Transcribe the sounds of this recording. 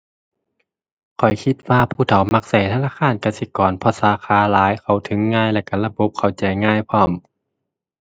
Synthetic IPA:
kʰɔ˨˩jkʰi˧t̪̚waː˧˨pʰuː˧˩t̪ʰa˨˦wma˧k̚sa˨˩jt̪ʰaː˧˥naː˧˨kʰaː˧˨nka˧˩si˧˦kɔː˨˩npʰɔ˧˦saː˨˦xʰaː˨˧˦laː˨˦jkʰa˨˩wt̪ʰɯ˨˦ŋːaː˧˨jlɛː˧˩ka˧˩la˧bo˧˦p̚kʰa˨˩wt͡ɕa˨˩jŋaː˧˥˨jpʰɔː˧˩m

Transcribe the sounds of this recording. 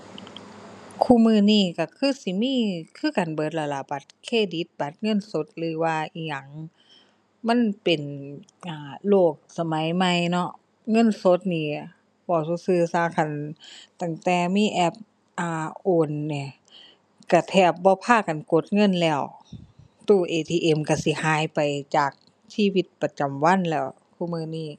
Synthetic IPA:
kʰuː˧˨mɯː˧˩˨niː˧˩ka˧˩kʰɯː˧˥˨si˧˦miː˧˥˨kʰɯː˧˥˨ka˨nbɤː˨˦t̪̚la˧˩la˧˩ba˨˦t̪̚kʰeː˧˨di˨˧˦t̪̚ba˨˦t̪̚ŋɤ˧˥˨nso˧˦t̪̚lɯː˨˦waː˧ʔi˧˩ɲa˧˩ŋ | ma˧˥˨npe˨˩nʔaː˧˩loː˧˩k̚sa˧ma˨˦jma˧˩˨jnɔ˧˥ʔ | ŋɤ˧˥˨nso˧˦t̪̚niː˧˩ | bɔː˧˩suː˧sɯː˧˩saː˧˩kʰa˧˩nt̪a˧˩ŋt̪ɛː˧˩miː˧˥˨ʔɛ˧˥p̚ | ʔaː˧˩ʔoː˧˩nːi˧˩ | ka˧˩t̪ʰɛː˧˩p̚bɔː˧pʰaː˧˩˨ka˨nko˧˦t̪̚ŋɤ˧˥˨nlɛː˧˩w | t̪uː˧˩ʔeː˨˧t̪ʰiː˧ʔe˧˩mka˧˩si˧˦haː˨˦jpa˨jt͡ɕaː˨˩k̚ | siː˧˥˨wi˧˥t̪̚pa˧t͡ɕa˨˩mwa˧˥˨nlɛː˧˩w | kʰuː˧˨mɯː˧˨niː˧˩

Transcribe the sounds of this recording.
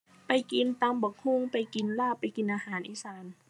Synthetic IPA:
pa˨jki˨nt̪a˧˦mbɔː˨˧˦k̚hu˧˥˨ŋpa˨jki˨nlaː˧˥˩pa˨jki˨nʔaː˧haː˨˦nʔiː˧˨saː˨˦n

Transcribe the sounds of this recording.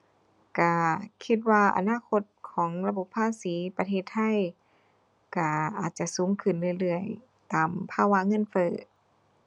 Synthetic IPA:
ka˧˩kʰi˧t̪̚waː˧˩ʔa̰˧naː˧˥˨kʰo˧t̪̚kʰɔː˩˦ŋla˧bo˧˩pʰːaː˧˥˨siː˩˦pa˧t̪ʰeː˧˩t̪ʰːa˧˥˨j | ka˧˩ʔaː˨˩t̪̚t͡ɕa˧˩suː˨˦ŋkʰɯ˧˩nlɯ˧˩˧jlɯ˧˩əj | t̪aː˨˩mpʰaː˧˨wa˧˥ŋɤ˧˥˨nfɤː˧˩

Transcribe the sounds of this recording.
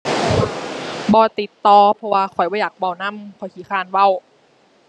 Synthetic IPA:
bɔː˧t̪i˨˦t̪ːɔː˧pʰɔ˧waː˧kʰɔ˨˩jbɔː˧˨jaː˨˩k̚ba˧˨˩wna˧˥˨mkʰɔ˨˩jkʰiː˨˦xʰaː˧˨nwa˧˥˨w

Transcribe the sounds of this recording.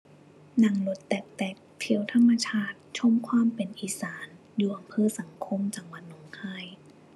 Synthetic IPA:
na˨˩˦ŋlo˨˧˦t̪ːɛː˨˩k̚t̪ɛː˨˩k̚t̪ʰi˨˩˦ə˦wt̪ʰa˧˥˨mːa˧t͡ɕʰaː˧˥˩t̪̚t͡ɕʰo˧˥˨mkʰwaː˧˥˨mpe˨nʔiː˨˦saː˩˦n | juː˨˩ʔa˨˩mpʰɤː˧˥˨sa˨˩˦ŋkʰo˧˥˨mt͡ɕa˨˦ŋwa˨˩˦t̪̚no˨˩˦ŋkʰaː˧˥˩j

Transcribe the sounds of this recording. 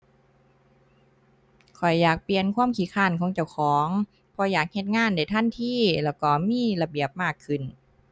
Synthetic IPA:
kʰɔ˨˩jːaː˨˩k̚pli˧˨ənkʰwaː˧˥˨mkʰiː˨˦kʰaː˧˩˨nkʰɔː˨˧˦ŋt͡ɕa˧˩wxʰɔː˨˦ŋ | pʰɔ˧˩jaː˨˩k̚he˧t̪̚ŋaː˧˥˨nda˧˩jt̪ʰa˧˥˨nt̪ʰiː˧˥˩lɛː˧˩wkɔː˧˩miː˧˥˨la˧bi˨˩əp̚maː˧˥˩kʰːɯ˧˩n

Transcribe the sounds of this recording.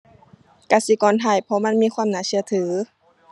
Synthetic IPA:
ka˧˩si˧˦kɔː˨nt̪ʰa˧˩jpʰɔ˧˦ma˧˥˨nmiː˧˥˨kʰwaː˧˥˨mnaː˧˩sɯ˧ɐ˨t̪ʰɯː˨˩˦

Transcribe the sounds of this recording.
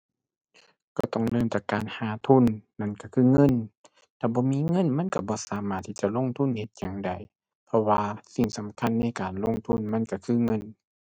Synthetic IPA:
kɔː˧˩t̪ɔ˧˩˨ŋlɤː˧˥˨mt͡ɕ̪a˧˩kaː˨nhaː˨˦t̪ʰu˧˥˨nːa˧˨nka˧˩kʰɯː˧˩˨ŋɤ˧˥˨n | t̪ʰaː˧˩bɔː˧˦miː˧˥˨ŋɤ˧˥˨nma˧˥˨nka˧˩bɔː˧˦saː˨˦maː˧˩t̪ʰːi˧˩t͡ɕa˧˨lo˧˥˨ŋt̪ʰu˧˥˨nhe˧˦t̪̚jaː˨˩ŋda˨˩j | pʰɔ˧waː˧si˨˧˩ŋsa˨˦mkʰa˧˥˨nːa˧˥˨jkaː˨nlo˧˥˨ŋt̪ʰu˧˥˨nma˧˥˨nka˧˩kʰɯː˧˨ŋɤ˧˥˨n

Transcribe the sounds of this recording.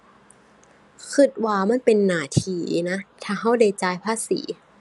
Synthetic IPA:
kʰɯ˧˩t̪̚waː˧ma˧˥˨npe˧nːaː˧˩t̪ʰiː˧na˦˥t̪ʰaː˧˩ɦa˧˥˩wda˧˩jt͡ɕaː˧jpʰaː˧˥˨sḭː˩˦

